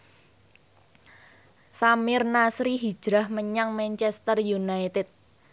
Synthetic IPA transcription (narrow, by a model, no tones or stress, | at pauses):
samɪrnasɾiɦi̥ʒ̥ɾahməɲaŋmɛnt͡ʃɛst̪ərjunait̪ɛt̪̚